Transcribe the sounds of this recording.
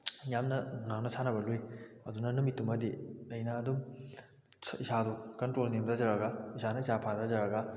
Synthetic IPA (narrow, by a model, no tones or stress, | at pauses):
jamnɐŋaŋnɐsanɐbɐlujɐdunɐnumitːumɐdilɐjnɐːdum | sisadukɐntɾolnimdazɐɾɐɡɐisanɐisapʰadazɐɾɐɡɐ